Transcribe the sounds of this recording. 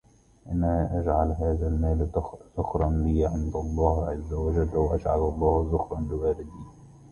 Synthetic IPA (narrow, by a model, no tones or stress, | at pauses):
ʔanaʔad͡ʒʕalɦaːðalmaːlz̥ʊxɾˤɑnbiːʕɪnd̪ɑlˤːɑːhʕazːawad͡ʒalːawʔaʃʕa̰bɑlˤːɑːhzʊxɾˤɑnlɪwaːlɪd̪iː